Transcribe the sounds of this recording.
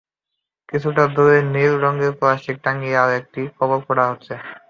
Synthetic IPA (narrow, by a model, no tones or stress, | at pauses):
kit͡ɕʰuʈad̪ʱoɾenilɾɔŋɡeɾpɔaʃik̚ʈaŋɡiaek̚ʈikɔbolkɔɽaɦotːɕʰe